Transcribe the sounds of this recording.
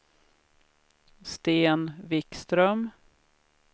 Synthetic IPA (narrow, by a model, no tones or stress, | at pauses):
st̪eːnvɪkst̪ɾœm